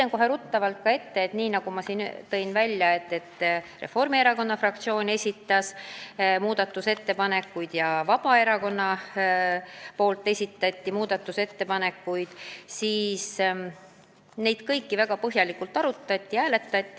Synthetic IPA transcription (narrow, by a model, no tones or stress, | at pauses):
eŋko̞ɦe̞ɾut̪ːɑvɑlt̪̚kɑe̞t̪ːe̞et̪niːnɑɡ̥umɑsiːnt̪ɤ̞jnvælʲjɑe̞t̪ːe̞t̪ːre̞̰fo̞rmie̞ɾɑko̞nːɑfrɑk̚t̪sio̞ːnʲe̞sʲit̪ːˑɑsmuːd̪̥ɑt̪ːˑuse̞t̪ːe̞pɑne̞kːˑujd̪̥jɑvɑb̥ɑe̞ɾɑko̞nːɑ | po̞ːlt̪ːˑe̞sʲit̪ːˑɑt̪ʲːimuːd̪̥ɑt̪ːˑuse̞t̪ːe̞pɑne̞kːˑujd̪̥siːs | ne̞jd̪̥kɤjkːivæɡ̥ɑpɤɦjɑlikult̪ːˑɑɾut̪ːˑɑt̪ʲːˑiæːle̞t̪ːˑɑt̪ʲˑːi